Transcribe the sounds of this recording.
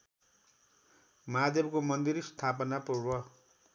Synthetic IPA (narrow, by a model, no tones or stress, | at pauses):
mad̪jʌbkomʌnd̪iɾst̪ʰapʌnapruɾwʌ